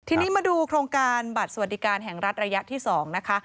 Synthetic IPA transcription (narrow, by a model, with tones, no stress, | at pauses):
t̪ʰiː˧niː˦˥maː˧duː˧kʰɾoː˧ŋkaː˧nba˨˩t̪̚sa˧wa˨˩t̪̚diː˨˩˦kaː˧nɦɛ˨˩ŋɾa˦˥t̪̚ɾa˧ja˦˥t̪ʰiː˥˩sɔː˩˦ŋna˦˥kʰa˦˥